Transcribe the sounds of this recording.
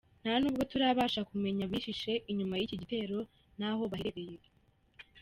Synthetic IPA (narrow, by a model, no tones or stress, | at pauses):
n̥haonuːb̚ɡo̞tuɾaβaːʃakume̞ɲaβiːʃiʃe̞ʔiɲumajiciɟite̞ːɾo̞ | n̥aho̞βaheɾeɾeje